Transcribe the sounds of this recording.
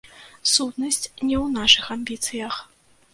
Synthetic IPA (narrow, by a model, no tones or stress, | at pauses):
sut̪nɐsʲt͡sʲnʲɛwnaʂɨxamʲbʲit̪sɨjɐx